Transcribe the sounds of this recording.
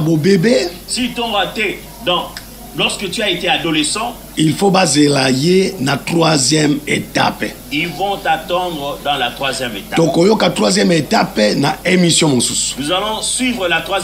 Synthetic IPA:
bobebe | sit̪ɔ̃bat̪e | d̪ɑ̃ | lɔʁskət̪yaet̪ead̪olesɑ̃ | ilfobazelajenat̪χwazjɛmeta̰p | ilvɔ̃t̪at̪ɑ̃d̪ʁəd̪ɑ̃lat̪χwazjɛmet̪at̪okojokat̪χwazjɛmetapnaemisjɔ̃mɔ̃susnuzalɔ̃sɥivʁəlat̪χwa

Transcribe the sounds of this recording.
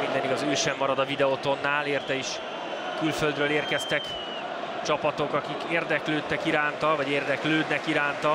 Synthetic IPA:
mind̪ɛniɡɒzøːʃɛmːɒɾɒd̪ɒvid̪ɛot̪o̞nːaːleːrt̪ɛiʃ | kylføld̪ɾøːleːrkɛst̪ɛk | t͡ʃɒpɒt̪o̞kɒkikeːrd̪ɛkløːt̪ːɛkiɾaːnt̪ɒvɒɟeːrd̪ɛkløːd̪nɛkiɾaːnt̪ɒ

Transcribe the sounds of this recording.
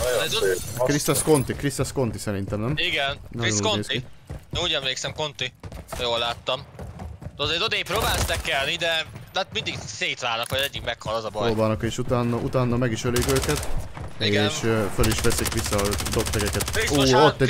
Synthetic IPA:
ɛkɾist̪ɛsko̞nt̪ikrist̪ɛsko̞nt̪isɛɾint̪ɛmnɛmiɡɛnnɛjoukneːsinɛuːɟɛmleːksɛmko̞nt̪ijoːlːaːt̪ːɒmt̪ːzed̪od̪eːjpɾoːbaːlsnɛkːɛlnid̪ɛd̪at̪mind̪iɡseːt̪ʋaːlnɒkʋɒjzɛɟːikmɛkhɒlɒzɒbɔjoːbaːnɒkeːʃut̪aːnːɒʔut̪aːnːɒmɛɡiʃøleːɡøːkɛt̪eːʃføliʃʋɛsikʋisːɒːd̪opt̪ɛɡɛkɛt̪ioot̪ːɛ

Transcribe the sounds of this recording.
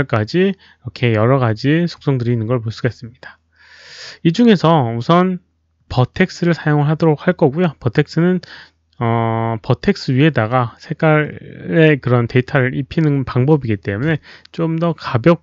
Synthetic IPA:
ɭk͈ad͡ʑi | ɾʌkʰe̞jʌɾʌɡad͡ʑisʰo̥k̚s͈oŋdɯɾiːnːɯnɡʌɭpoɭs͈uɡaes͈ɯmɲid̥a | id͡ʑuŋe̞sʰʌusʰʌn | pʌtʰe̞k̚s͈ɯɾɯɭsʰajoŋɯɭɦadoɾok̚haɭk͈ʌɡujopʌtʰe̞k̚s͈ɯnɯn | ʌpʌtʰe̞k̚s͈ʰɯɥie̞daɡasʰeɡaɾe̞kɯɾʌnte̞itʰaɾɯɾʔipʰinɯnpaŋbʌbiɡit͈e̞mune̞t͡ɕ͈omdʌkabjʌk̚

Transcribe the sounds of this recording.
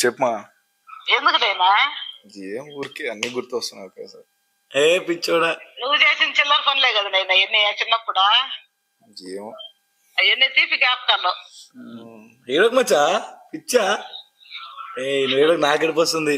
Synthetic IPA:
t͡ʃepːmaː | eːnd̪ukɐd̪ɐjnaːd͡ʒiemuːɾikiɐnːiɡuɾt̪uʋɐst̪unːɐkesaɾ | eːpit͡ʃːoːɽanuʋːud͡ʒeːsint͡ʃilːɐɾpʰɐnleːɡɐd̪inɐjnɐenːit͡ʃinːɐpːuɽaː | d͡ʒimo | ɐjenːit̪ipikaːp̚kɐɾlo | iːɽokmɐt͡ʃːaːpit͡ʃːaː | eːinuʋiːɽɐknaːkeɽip̬ost̪und̪i

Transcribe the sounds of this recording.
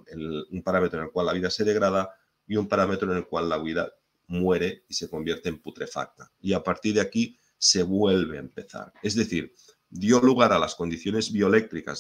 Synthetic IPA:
enumpaɾame̞t̪ɾoene̞lkwalːaβiðase̞ðe̞ɣɾað̞a | iumpaɾame̞t̪ɾoene̞lkwalːaβiða | mweɾe̞ise̞ko̞mbje̞ɾt̪e̞ːmput̪ɾe̞fa̰k̚t̪aiapaɾt̪iɾðeaki | se̞βwelβ̞e̞a̰empe̞θa̰ɾe̞zðeθiɾ | d̪joluɣ̞aɾalasko̞nd̪iθjo̞ne̞zβio̞lek̚t̪ɾika̰z

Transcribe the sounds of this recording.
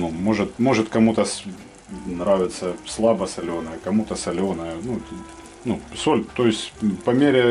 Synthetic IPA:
numo̞ʐɨt̪mo̞ʐɨt̪kɐmut̪əs | nɾavʲɪt̪səslˠabəsɐlʲonəjəkɐmut̪əsɐlʲonəjənu | nusolʲt̪ojɪsʲtʲpɐmʲeɾʲɪ

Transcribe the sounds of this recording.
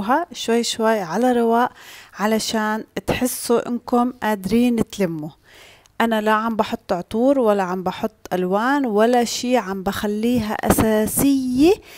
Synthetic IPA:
ɦaʃwajːʃwajːʕalaɾˤɪwaːʔʕalaʃaːnt̪ħɪsːuʔɪ̰nkʊmʔaːd̪ɾiːnɪt̪lamːu | ʔanalaʕambɑħʊt̪ˤːʕt̪ˤuːɾwalːaʕambɑħʊt̪ˤːʔalwaːnwalːaʃiːʕambaxalːiːɦa̰ʔa̰saːsɪjːe

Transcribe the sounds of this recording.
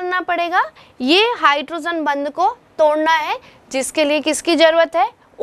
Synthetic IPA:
ɽnapɐɽeːɡa | jeɦaːɪʈɾoːd͡ʒənbɐ̃nd̪ʱkot̪oːɽnaɦɛ | d͡ʒɪskeliekɪskid͡ʒɐɾuːɾət̪ɦɛː | ʊ

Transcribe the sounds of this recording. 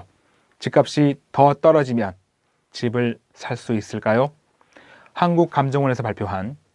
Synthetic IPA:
t͡ɕik͈ap̚ɕ͈itʌt͈ʌɾʌd͡ʑimjʌn | t͡ɕibɯɭ | sʰaɭs͈uis͈ɯɭk͈ajo | hanɡuk̚k͈amd͡ʑʌŋʌnesʰʌpaɭpʰjoɦan

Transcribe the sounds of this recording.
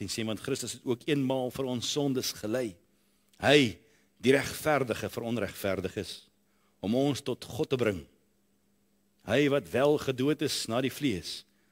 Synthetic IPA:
inseːvɐntχɾəstəsɛtuəkiənmɑːlˠfəɾɔnsːɔndəsχəlɛj | həj | diɾæχfærdəχəfəɾɔnræχtfærdəχəs | ɔmɔnstɔtχɔtːəbɾəŋ | ɦəjvɐtvælˠχəduətəsnɑːɾifliəs

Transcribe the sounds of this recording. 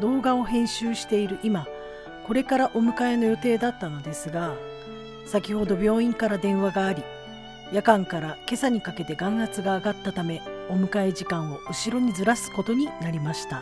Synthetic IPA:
d̪o̞ːɡao̞ɦẽ̞ɰ̃ɕɨːɕi̥t̪e̞iɾɯ̟ʔima | ko̞ɾe̞kaɾaʔo̞mɯ̟kae̞no̞jo̞t̪e̞ːd̪at̪ːano̞d̪e̞sɨɡa | sakʲiho̞d̪o̞bʲjo̞ːĩŋkaɾad̪ẽ̞ɰ̃βaɡaːɾʲi | jakãŋkaɾake̞saɲ̟ikake̞t̪e̞ɡãɰ̃hat͡sɨɡaːɡat̪ːat̪ame̞o̞mɯ̟kae̞ʑikãɰ̃o̞ʔɯ̟ɕiɾo̞ɲ̟izɨɾasɨ̥ko̞t̪o̞ɲ̟inaɾʲimaɕi̥t̪a

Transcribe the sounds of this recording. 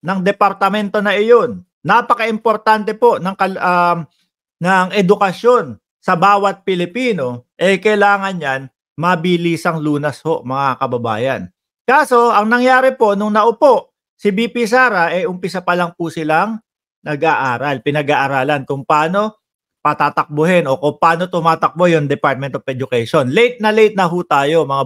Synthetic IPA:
nɐŋd̪ɛpɐɾt̪ɐmɛnt̪o̞nɐʔɪjo̞nː | apɐkɐʔɪmpo̞ɾt̪ant̪ɛpo̞ʔnɐŋkɐl | nɐŋʔɛd̪ʊkɐso̞n | sɐbaːwɐt̪̚pɪlɪpiːno̞ʔɛjkɐjlaːŋɐnɲan | mɐbiliːsɐŋluːnɐsho̞ʔmɐŋakɐbɐba̰ːjɐ̰n | kaːso̞ɐŋnɐŋjaːɾɛpo̞ʔnʊŋnɐʔʊpo̞ʔ | sɪbiːpisaːɾɐʔɛjʔʊmpɪsɐpɐlɐŋpʊsɪlaŋ | nɐɡʔaʔaːɾalpɪnɐɡaʔɐɾaːlɐnkʊŋpaːno̞ | pɐt̪aːt̪ɐk̚bʊɦɛno̞kʊŋpaːno̞t̪ʊmaːt̪ɐk̚bojʊŋd̪ɛpaɹt̪̚mɛnt̪ovʔɛd͡ʒʊkɛjʃonlɛjt̪̚nɐlɛjt̪̚nɐɦuːt̪aːjo̞mɐŋa

